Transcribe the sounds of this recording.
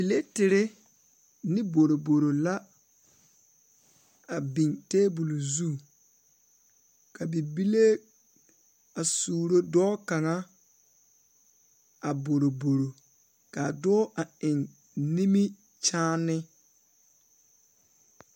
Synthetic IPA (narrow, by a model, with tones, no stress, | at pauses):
bi˨le˦tɪ˨ɾɪ˦ | nɪ˦bo˨ɾo˨bo˨ɾo˨la˦ | a˨bi˨ŋteː˦bu˨lu˨zu˦˨ | ka˨bi˨bi˦le˦ | a˨suː˨ɾo˦dɔː˦ka˨ŋa˦ | a˨bo˨ɾo˨bo˨ɾo˨ | ka˨dɔ˦ʔa˨ɪ˨ŋ | ni˦mi˦ | t͡ʃaː˦nɪ˦